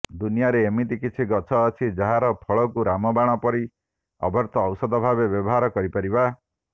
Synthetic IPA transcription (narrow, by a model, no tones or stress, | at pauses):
d̪unijaɾeːmit̪ikit͡ʃʰiɡɔt͡ʃʰɔːt͡ʃʰid͡ʒaɦaɾɔpʰɔɭɔkuɾamɔbaɽ̃ɔpɔɾi | ɔ̰bʱɔɾt̪ɔːwsɔd̪ʱɔbʱabebjɔbɔɦaɾɔkɔɾipaɾiba